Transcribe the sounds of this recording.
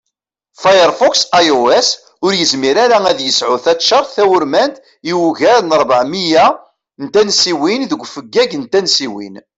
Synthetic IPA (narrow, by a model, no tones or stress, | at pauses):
fajəɾˤfɔksajoes | ʊɾjəzmiɾaɾaæðjəsʕʊθæt̪ːʃɑɾˤθθæwʊɾmænt̪ | iwuʝæɾnəɾˤbəʕmijæ | nt̪ænsiwinðəɡʷːfəɡːæʝnt̪ænsiwḭn